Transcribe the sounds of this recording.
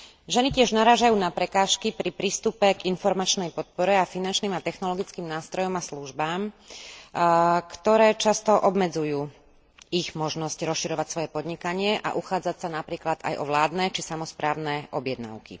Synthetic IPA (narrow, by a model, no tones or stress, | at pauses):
ʒɛnicɪɛʒnaɾaːʒajuːnapɾɛkaːʃkipɾipɾiːst̪upɛɡinfɔɾmat͡ʃnɛjpɔt̪̚pɔɾɛafinant͡ʃniːmat̪ɛxnɔlɔɡit͡skiːmnaːst̪ɾɔjɔmasluʒbaːm | kt̪ɔɾɛːt͡ʃast̪ɔʔɔbmɛd͡zujuː | iɣmɔʒnɔscɾɔsʃiɾɔʋacsʋɔjɛpɔd̪ɲikaɲɪɛʔa̰ʔuxaːd͡zacsanapɾiːklad̪a̰jʔɔ̰ʋlaːd̪nɛt͡ʃisamɔspɾaːʊnɛʔɔbjɛd̪na̰ʊkḭ